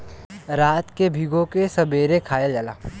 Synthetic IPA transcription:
ɾaːt̪kebʱiɡõkesɐbeːɾekʰaːjad͡ʒala̰ː

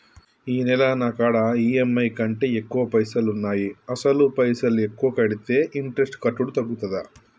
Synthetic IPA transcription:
iːnɛlɐnɐkaːɽɐiːemːɐjkɐɳʈeekːuʋɐpɐjsɐlunːaːjiɐsɐlupɐjsɐlekːuʋɐkɐɽit̪e̞ːʔiɳʈɾesʈkɐʈːuɽut̪ɐɡːut̪ɐd̪ɐ

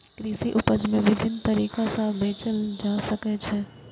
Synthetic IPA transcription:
kɾiːsiʔʊpəd͡ʒmẽʋɪbʱɪnt̪ɐɾiːkasabʱeːt͡ʃəld͡ʒaːsəket͡ʃʰɛː

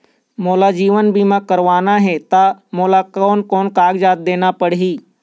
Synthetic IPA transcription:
moːlad͡ʒiːʋənbʱimãkəɾʋaːnaɦɛt̪amoːlakɔːnkɔːnkaːɡd͡ʒaːt̪̚d̪eːnapəɽɦiː

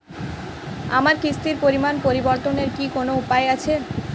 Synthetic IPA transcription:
a̰maɾkɾist̪iɾpoɾimanpoɾiboɾt̪oneɾkikonoupaeat͡ɕʰe

